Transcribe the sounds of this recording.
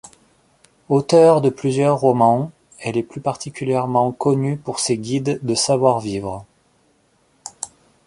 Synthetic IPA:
ot̪œʁd̪əplyzjœʁːɔmɑ̃ | ɛlɛplypaʁt̪ʰikʲyljɛʁmɑ̃kɔnypuʁseɡʲid̪ːəsavwaʁvivʁə

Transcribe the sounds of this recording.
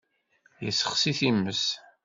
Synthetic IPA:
jə̰sːəχsiθimːəs

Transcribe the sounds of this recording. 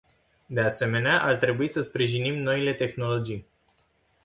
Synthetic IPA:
d̪e̞ase̞me̞neaʔart̪ɾe̞buisəspɾiʒinimno̞ile̞t̪e̞xno̞lo̞d͡ʒij

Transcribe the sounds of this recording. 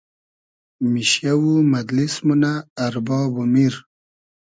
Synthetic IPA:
miɕjawumad̪lismunaːɾbɑːbumiɾ

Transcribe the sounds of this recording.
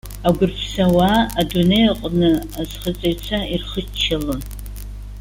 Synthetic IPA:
aɡʷʊrpʰsawaːdunejqʼnɨazχət͡sʼeɥt͡sʷʰairχət͡ʃʰːalɨn

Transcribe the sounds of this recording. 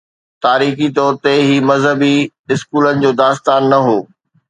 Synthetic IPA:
t̪aːɾiːxit̪ɔːɾt̪eɦimɐzɦəbi | ɪskuːlənɪ̆d͡ʑoːd̪aːst̪aːnːɐɦoː

